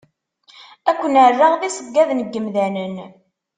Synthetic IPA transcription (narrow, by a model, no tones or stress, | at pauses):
ækʷːənʕərːaʁðisəɡːæðnəɡːəmðænən